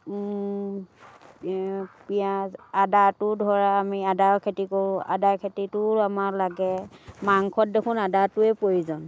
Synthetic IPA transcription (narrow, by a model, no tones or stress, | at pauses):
piaadatʊdʱɔɹaːmiadaɹkʰetikoɹʊ̃a̰daɹkʰetitʊɹamaɹlaɡɛmaŋkʰɔt̚dekʰʊnadatʊɛpojizɔn